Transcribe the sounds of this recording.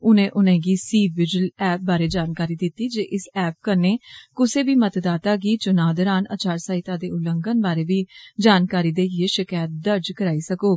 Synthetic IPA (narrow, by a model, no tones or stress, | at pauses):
ʊnẽːʔʊnẽːɡiːsiːbɪd͡ʒʊəlɛːp̚baːɾeːd͡ʒaːnkaːɾiːd̪ɪt̪ːiːd͡ʒeːʔɪsɛːp̚kəɾneːkʊseːbiːmət̪d̪aːt̪aːɡiːt͡ʃʊnaːd̪ɔɾaːna̰t͡ʃaːɾsaːit̪ãːd̪eːʊləŋɡənbaːɾeːʋiːd͡ʒaːnkaːɾiːd̪eːjeːʃɪkaːjt̪̚d̪əɾd͡ʒkəɾaːiːsəkoː